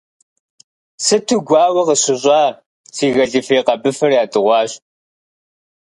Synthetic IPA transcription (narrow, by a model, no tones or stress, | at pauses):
sɨtʰuɡʷɑːwɐqəɕɪɕʷʼɑː | t͡sʰiːɣɐɮɨfeːqɐbɨfɐrjaːdɨʁʷɑːɕ